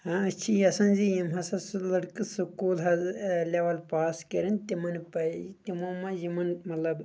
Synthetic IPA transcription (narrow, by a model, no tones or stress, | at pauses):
hãɐt͡ʃʰijɐsɐ̃nʲzijimɦɐsɐslɐɽkɨsukuːlɦɐzlʲeʋɐlpaːskɐɾint̪imɐnpɐt̪ʲimoːmɐjimɐnmɐt̪lɐb